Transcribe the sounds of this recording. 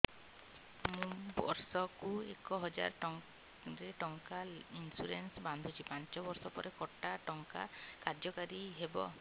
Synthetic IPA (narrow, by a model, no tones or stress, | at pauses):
mũbɔ̰ɾsɔkuekɔɦɔd͡ʒa̰ɾʈɔŋ | ɾeʈɔŋkainsuɾensband̪ʱɔt͡ʃʰipaɲt͡ʃɔbɔɾsɔpɔɾekɔʈaʈɔŋka̰kaɾd͡ʒɔkaɾiɦebɔ̰